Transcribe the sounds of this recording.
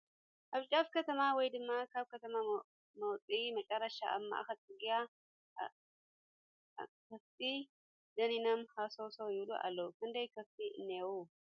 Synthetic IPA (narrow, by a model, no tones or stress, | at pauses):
ʔaβt͡ʃʼafkɐt̪ʰɐmawɔjd̪ɨmːakʰaβkɐt̪ʰɐma | mɐwt͡sʼimɐt͡ʃʼɐrːɐʃa̰ʔɐ̰mːa̰xɐt̪ʼɨɡija | kɐft̪ʼi | d̪ɐninɐmhasosɐwjɪβluʔa̰lːɐwukɨnd̪ɐjkʰɐft̪ʼiɨnːewu